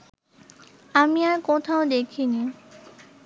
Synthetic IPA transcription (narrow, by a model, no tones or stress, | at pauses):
amiaɾkot̪ʰaod̪ekʰini